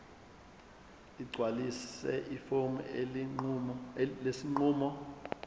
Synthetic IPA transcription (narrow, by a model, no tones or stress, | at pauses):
iɡ͡ǀʱwalisɛ̰ʔifom | lesiŋuːmɔ